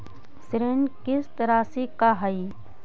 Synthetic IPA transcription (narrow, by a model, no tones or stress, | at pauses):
sɾenkɪst̪ɐɾaːsikaɦai